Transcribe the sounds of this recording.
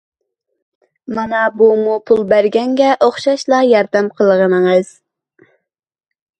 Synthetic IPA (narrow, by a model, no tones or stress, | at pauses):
mɑnɑbumupʰulˠbæɾɡʲɛŋɡʲɛʔoχʃɑʃlˠɑjɑɾd̪æmqʰəlˠəʁənɨŋɨz̥